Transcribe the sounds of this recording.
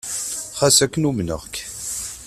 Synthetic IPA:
χæsækːənumnə̰ʁk

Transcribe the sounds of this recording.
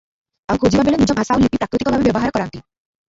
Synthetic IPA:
aŋkʰod͡ʑibʱabelenid͡ʑɔmʱasawlipipɾakɾit̪ikobʱabebeboɦaɾkɔɾant̪i

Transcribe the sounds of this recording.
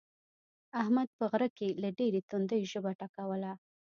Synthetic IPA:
ahmad̪̚pəɣɾəkelaɖeɾet̪ond̪əjʒəbaʈakawəla

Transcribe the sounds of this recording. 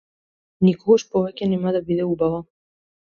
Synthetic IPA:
nikɔɡaʃpɔvɛcʲɛnɛmad̪abid̪ɛubava

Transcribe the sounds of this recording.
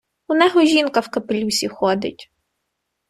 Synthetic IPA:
ʊnɛɦɔʒʲinkɐwkɐpelʲusʲixɔd̪ɪ̰tʲ

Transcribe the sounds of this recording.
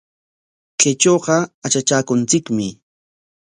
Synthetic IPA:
ket͡ʃoːqɑat͡ʃat͡ʃaːkʊnt͡sɪkmɪ

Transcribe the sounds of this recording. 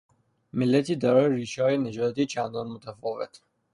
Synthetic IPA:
mɪlːæt̪ʰiːd̪æɾɒːjɾiːʃɒːjened͡ʒɒːt̪it͡ʃʰænd̪ɒːnmʊt̪ʰæfɒːvḛt̪ʰ

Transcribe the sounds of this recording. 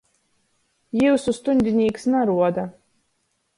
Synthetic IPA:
jiwsust̪unʲd̪ʲinʲiːksnaɾuɔd̪a

